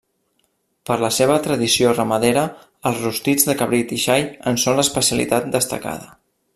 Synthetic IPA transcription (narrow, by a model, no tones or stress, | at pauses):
pəɾləseβ̞ət̪ɾəðisiorəməðeɾə | əlˠzrust̪id͡zðəkəβɾit̪iʃajənsonləspəsiəlḭt̪at̪̚d̪əst̪ə̰ka̰ðə